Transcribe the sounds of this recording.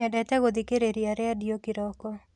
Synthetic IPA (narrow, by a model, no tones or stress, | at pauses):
ɛdɛtɛɡod̪ikeɾeɾiaɾɛadiokɪɾɔkɔ